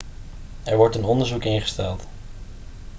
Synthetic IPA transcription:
ɛɹʋɔɹtənɔndəɹzukɪnχə̥stɛlˠt

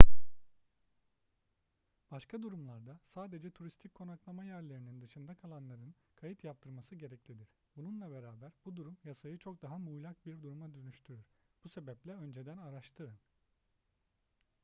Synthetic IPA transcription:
b̥aʃkʰad̪uɾumlˠaɾd̪asaːd̪e̞d͡ʒɛt̪ʰuɾist̪ʰicʲkʰːo̞naklˠamajæɾlʲe̞ɾinind̪ɯʃɯnd̪akʰalˠanlˠaɾɯn | kʰajit̪ʰjap̚t̪ʰɯɾmasɯɟe̞ɾɛclʲid̪iɾ̥ | bununlˠabe̞ɾaːbæɾbud̪uɾumjasajɯt͡ʃʰo̞k̚d̪aɦamuːlʲak̚biɾd̪uɾumad̪ønyʃt̪ʰyɾyɾ̥b̥use̞bɛplʲɛø̞nd͡ʒe̞d̪ænaɾaʃt̪ʰɯɾɯm

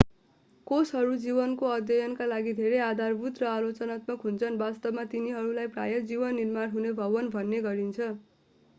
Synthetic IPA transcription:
kosɦʌɾud͡zibʌnkoʌd̪jʌjʌnkalaɡid̪ʱeɾejad̪ʱarbut̪rʌalot͡sʌnat̪mʌkɦunt͡sʰʌnbast̪ʌbmat̪iniɦʌɾulajpra̰jʌd͡zibʌnːirmanɦunebʱʌbʌnbʱʌnːeɡʌɾint͡sʰʌ

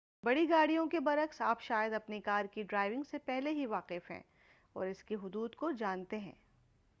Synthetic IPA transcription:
bɐɽiɡaːɽijõkebɐɾəksaːpʃaːjəd̪ɐpnikaːɾkiɖɾaːɪʋɪ̃ŋɡsepɛɦleɦiʋaːqɪfɦɛ̰̃ː | ɔ̰ːɾɪskeɦʊd̪uːd̪kod͡ʒaːnt̪eɦɛ̰̃ː

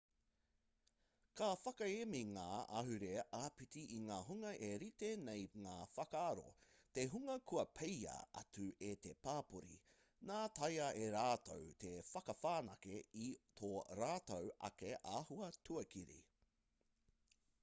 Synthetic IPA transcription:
kafɐkɐemiŋaːɐ̰ɦʉɾeʔapitiʔiŋaːɦuŋɐʔeɾit̪enejŋaːfɐkaːɾo̰teɦuŋɐkʰuɐpʰejɐ̰ɐ̰tʉet̪epaːpuɾḭ | naːtʰɐjɐʔeɾaːto̰wt̪ʰefɐkɐfaːnɐkeitʰoɾaːtowɐ̰keʔaːhuɐtʰuɐkiɾḭ

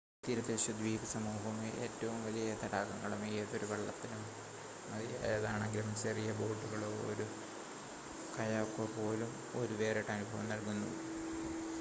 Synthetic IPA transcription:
t̪iɾɐd̪eɕud̪ʋiːbɐsɐmuːɦɐmeʔḛːtːɐʋumʋɐlijɐt̪ɐɽaːkːɐŋːɐɭumijɐt̪ːo̞ɾuʋeɭːɐt̪ːinum | ɐðija̰ːjɐðaːɳeŋɡilumt͡ɕerijɐbo̞ːɖːuɣɐɭoːo̰ɾu | kɐjaːkːopo̞ːlum | o̞ɾuʋe̞ːreʈːɐnubʱɐʋɐmnɐlkunːṵ

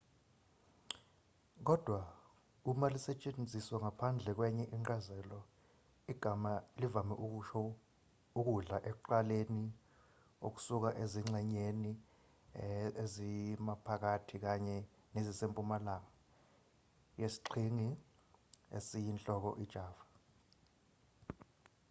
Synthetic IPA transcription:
k̬ɔd̥ʱwa | umalisɛt͡ʃʼend͡zʱiswaŋapʰand͡ɮʱɛk̬wɛɲɛʔiŋazɛlɔ | iɡ̥ʱamalivamɛʔu | uk̬uɮaʔɛk̬uǃaleni | ok̬u̥suk̬aʔeziŋ͡ǁɛɲeni | ezimapʰak̬atʰik̬aɲɛ | nezisempʼumalaːŋa | jesi̥ǃʰiŋi | ḛsijint͡ɬʼɔk̬ɔ̰ʔid̥ʒ̥ʱaːva

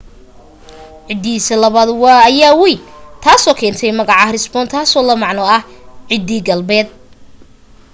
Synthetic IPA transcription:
ʕɪd̪iːsɐlɐβaːd̪wɑːɐjaːwijt̪ʰaːsɔːkʰɛːnt̪ʰɛjmɐɣɑʕɑrɪsbɔːnt̪ʰaːsɔːlɐmɑʕnɔɐhʕɪd̪iːɡɐlbɛːd̪̚

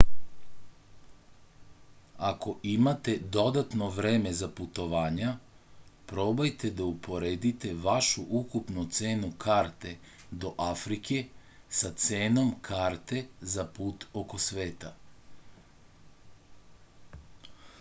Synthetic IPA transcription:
ako̞ʔimat̪e̞d̪o̞d̪at̪no̞ʋɾeːmezaput̪o̞ʋaːɲa | pɾo̞ːbajt̪ed̪aupʰo̞ɾed̪it̪e̞ʋaʃuʔukupnut̪se̞ːnukʰaːɾt̪e̞ | d̪o̞ʔafɾikʰe̞ | sat̪seːno̞mkʰaːɾt̪e̞zapuːt̪o̞ko̞sʋe̞ːt̪a

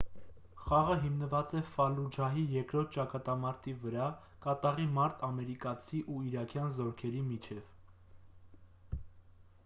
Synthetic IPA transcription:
χɑʁəɦimnəvɑt͡sɛfɑlud͡ʒɑɦijɛkɾɔɾt̪̚ʰt͡ʃɑkɑt̪ɑmɑɾt̪ivəɾɑ | kɑt̪ɑʁimɑɾt̪ʰɑmɛɾikɑt͡sʰiʔuiɾɑkʰjɑnzɔɾkʰɛɾimit͡ʃʰɛv̥

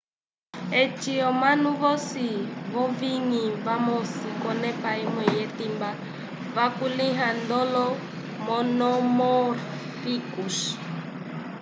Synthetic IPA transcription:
ɛt͡ʃiɔmanuβɔsiβɔviŋivamɔsikɔnɛpaimɛjɛtimba | vakuliɦand̪ɔlɔ | mɔnɔmɔrɾ | fikuʃ

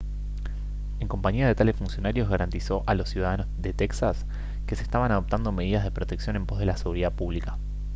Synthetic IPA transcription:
eŋko̞mpaɲiað̞e̞t̪alesfunsjo̞naɾjo̞zɣaɾant̪iso̞ʔalo̞sjuð̞aðanozðet̪eksas | ke̞se̥st̪aβanað̞op̚t̪and̪o̞me̞ð̞iðazð̞e̞pɾot̪eksjo̞ne̞mpo̞zðe̞lase̞ɣuɾiðapuβlikḁ

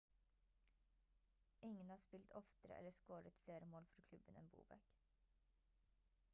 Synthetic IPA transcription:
ɪŋənhɑːspɪlt̪ʰɔft̪əɾə̰ʔɛ̰ləskoːɾət̪fleːɾəmoːlfɔɾkʰlʉbənɛ̰ːmbṵːbæ̰k

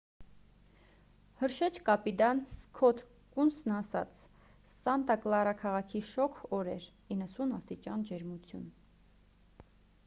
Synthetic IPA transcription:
həɾʃɛt͡ʃʰkɑpid̪ɑnskʰɔt̪ʰ | kunsnɑsɑ̰t͡sʰ | sɑnt̪ɑklɑrɑkʰɑʁɑkʰiʃɔkʰɔɾɛɾ | inːəsunɑst̪it͡ʃɑnd͡ʒɛɾmut͡sʰjṵn

